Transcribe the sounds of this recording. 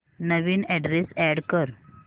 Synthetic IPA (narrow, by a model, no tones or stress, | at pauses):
nəʋiːnɛɖɾesɛɽkəɾ